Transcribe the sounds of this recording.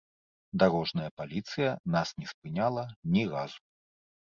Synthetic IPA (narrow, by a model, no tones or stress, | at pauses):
d̪aɾɔʐnɐjɐpalʲit̪sɨjɐnasnʲɛspɨnʲalˠɐnʲiɣazu